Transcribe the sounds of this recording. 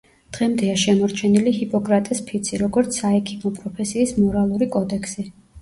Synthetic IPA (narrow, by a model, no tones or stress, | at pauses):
d̪̥ʁɛmd̪ɛaʃɛmɔɾt͡ʃʰɛniliɦipʼɔkʼɾat̪ʼɛspʰit̪sʰiɾɔɡɔɾt̪sʰaɛkʰimɔpʼɾɔpʰɛsiːsmɔɾalˠuɾikʼɔd̪ɛkʰsi